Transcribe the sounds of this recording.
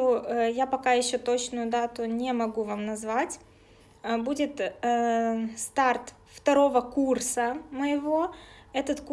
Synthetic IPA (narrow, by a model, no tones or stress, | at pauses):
ojapɐkajɪɕːot̪ot͡ɕnʊjʊd̪at̪ʊnʲɪmɐɡuvamnɐzvatʲ | budʲɪt̪ | st̪art̪ | ft̪ɐɾo̞vəkursəməjɪvo̞ɛt̪ət̪k